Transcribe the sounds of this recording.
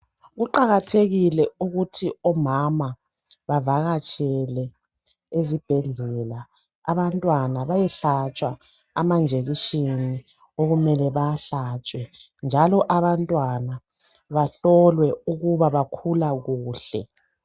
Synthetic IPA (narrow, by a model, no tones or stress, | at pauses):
ɣuǃaɣatʰeɣilɛuɣutʰiɔmama | βavaɣat͡ʃʼɛlɛ | ezib̥ʱɛɮɛla | a̰βantʼwanaβajɛɬat͡ʃʼwaː | mand͡ʒʱeɣiʃini | oɣumɛlɛβaɬat͡ʃʼwɛ | nd͡ʒʱalɔʔaβantʼwana | βaɬɔlwɛuɣuβaβakʰulaɣuːɬɛ̰